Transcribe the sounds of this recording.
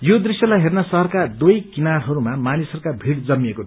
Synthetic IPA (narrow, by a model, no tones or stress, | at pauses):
jod̪risjʌlajɦernʌsʌɦʌrkad̪ujkinarɦʌɾumamanisʌɾukabʱiɽd͡zʌmːijeko